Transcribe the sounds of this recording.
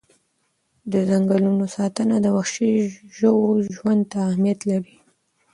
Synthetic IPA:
d̪əzaŋɡalunosɑt̪ənad̪əwaxʃiʒəwoʒwand̪̚t̪aːhmijat̪laɾi

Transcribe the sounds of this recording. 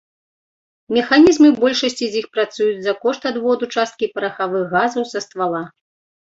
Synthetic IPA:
mʲɛxanʲizmɨbɔlʲʂɐsʲt͡sʲizʲjixpɾat̪sujud͡zʲzɐkɔʂt̪ad̪vɔd̪ut͡ʂast̪̚kʲipɐɾɐxavɨxːazɐwsɐst̪valˠa

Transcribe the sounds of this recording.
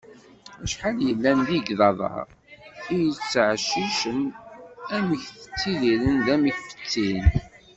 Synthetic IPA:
æʃħaljəlːænðiɡðɑðˤɑ̰ɾ | ijət͡sːʕʃːiʃən | æməçθə̥t͡sːiðilənðæməçfə̥t͡sːin

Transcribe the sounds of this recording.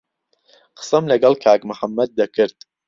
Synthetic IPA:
qə̥sɐmlɐɡɐlkʰaːkmʊħamːɐd̪̚ːɐkʰɨɾt̪̚

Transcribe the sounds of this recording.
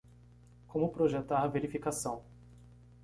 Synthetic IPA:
kõmʊpɾoʒet̪aɾɐveɾifikasɐ̃w̃

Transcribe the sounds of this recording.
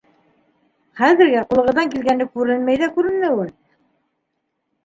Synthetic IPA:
χæðɘ̆ɾɡæqulˠɤ̆ʁɤ̆ðɑŋkilɡænːɘkʉɾɘnmæjðækʉɾɘ̆nmɘwɘl

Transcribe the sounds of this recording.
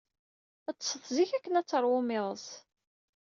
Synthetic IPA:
æt͡sːsəθˤziçækːənæt͡sːəɾˤwʊmɪðˤəs

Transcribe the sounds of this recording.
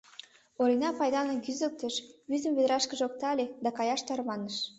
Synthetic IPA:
oɾʲinɑpɑjd̪ɑnokyzə̆lk̚t̪eʃβyzə̆mβed̪ɾɑʃkə̆ʒok̚t̪ɑlʲed̪ɑkɑjɑʃt̪ɑɾmɑnəʃ

